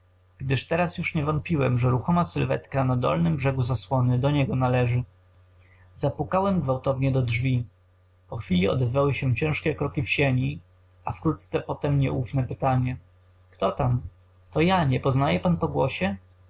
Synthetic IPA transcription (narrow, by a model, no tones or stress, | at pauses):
ɡ̥d̪ɘʂt̪ɛɾasjuʂɲɛvɔnt̪̚pʲiwɛmʐɛɾuxɔmasɘlvɛ̰t̪kanad̪ɔ̰lnɘmbʐɛɡuzaswɔnɘd̪ɔɲɛɡɔnalɛʐɘ | zapukawɛmɡvawt̪ɔvɲɛd̪ɔdʐvʲi | pɔxfʲilʲiɔ̰d̪ɛzvawɘɕɛt͡ɕɛ̃ʂkʲɛkɾɔkʲifɕeɲi | afkɾut̪̚t̪sɛpɔt̪ɛmɲɛ̰ʔufnɛpɘt̪aɲɛ | kt̪ɔt̪am | t̪ɔjaɲɛpɔznajɛpanpɔɡwɔ̰ɕɛ